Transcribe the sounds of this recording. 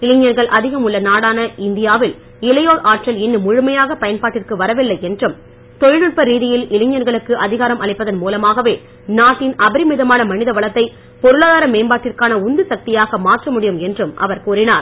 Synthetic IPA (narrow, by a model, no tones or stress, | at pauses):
ɪlɪɲjɐɾɣɐɭʔɐðɪɣɐmʊɭːɐnaːɽaːnɐɪnd̪ɪjaːʋɪl | ɪlɐjoːɭʔaːʈrɐlɪnːɯmʊɻʊmɐjaːɣɐpɐjɐnpaːʈːɪrkɯʋɐɾɐʋɪlːɐɪɛndrɯm | t̪ɔɻɪlɯɭ̚pɐɾiːðɪjɪlɪlɪɲːɐɾɣɐɭɯkːɯʔɐðɪɣaːɾɐmɐɭɐɪpːɐðɐnmuːlɐmaːɣɐʋeː | naːʈːɪnɐbɪɾɪmɪðɐmaːnɐmɐnɪðɐʋɐɭɐt̪ːɐɪ | pɔɾɯlaːðaːɾɐmeːmbaːʈːɪrkaːnɐʊnd̪ɯsɐk̚t̪ɪjaːɣɐmaːʈrɐmʊɽɪjɯmɛndrɯmʔɐ̰ʋɐɾkuːrɪnaːɾ